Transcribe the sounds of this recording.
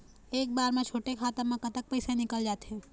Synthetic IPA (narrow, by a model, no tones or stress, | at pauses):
eːk̚baːɾmẽt͡ʃʰoːʈekʰaːt̪ə̃mẽkɐt̪ək̚pɛːsenɪkəld͡ʒaːt̪eɦɛ̃ː